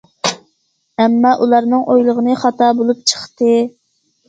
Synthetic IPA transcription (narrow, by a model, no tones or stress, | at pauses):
ɛmːɑʔulˠɑɾnɨŋʔojlˠəʁənɨχɑt̪ʰɑbolˠup̚t͡ʃʰə̥χt̪ɨ